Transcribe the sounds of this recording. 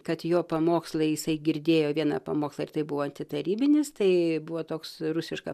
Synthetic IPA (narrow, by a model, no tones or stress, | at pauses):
kɐt̪joːpɐmoːkslˠɐɪjɪsɐɪɡʲɪɾʲd̪ʲeːjoːʋʲiɛnɐpɐmoːkslˠɐɪrt̪ɐɪbʊʋoːɐnʲt̪ʲɪt̪ɐɾʲiːbʲɪnʲɪst̪ɐɪbʊʋoːt̪oːksrʊsʲɪʃkɐ